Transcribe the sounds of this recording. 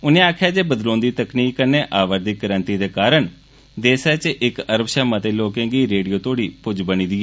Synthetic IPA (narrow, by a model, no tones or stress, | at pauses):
ʊnẽːaːkʰjaːd͡ʒeːbəd̪lõːnd̪iːt̪əkniːkːəɾneːʔaːʋəɾd̪iːkəɾə̃nt̪iːd̪eːkaːɾəɳ | d̪eːsɛːt͡ʃʔɪkəɾbʃaːmət̪eːloːkẽːɡiːɾeːɖijoːt̪oːɽiːpʊd͡ʒbəniːd̪iɛ